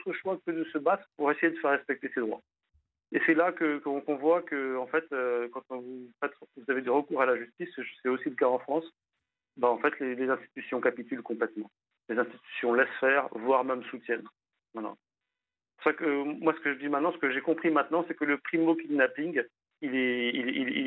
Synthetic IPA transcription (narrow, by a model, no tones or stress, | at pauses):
ot̪χəʃwakəd̪əsəbat̪χəpuʁesejed̪əfɛʁːɛspɛk̚t̪esed̪ʁwa̰ | esɛlakəkəɔ̃kɔ̃vwakəɑ̃fɛt̪økɑ̃t̪vufɛt̪vuzaved̪eʁəkuʁalaʒyst̪iseʒsɛosiləkaɑ̃fχɑ̃s | baɑ̃fɛt̪lelezɛ̃st̪i̥t̪ysjɔ̃kapit̪ylkɔ̃plɛt̪mɑ̃ | lezɛ̃st̪i̥t̪y̥sjɔ̃lɛsfɛːʁvwaʁmɛmsut̪jɛn | vwala̰ | pusakəmwasə̥kəʒəd̪imɛ̃t̪nɑ̃sə̥kəʒekɔ̃pχimɛ̃t̪nɑ̃sɛkələpχimokʲid̪napiŋɡ | ilɛilili